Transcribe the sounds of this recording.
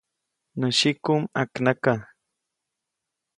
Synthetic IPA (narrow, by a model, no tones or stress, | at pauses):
nəʃikumaknaka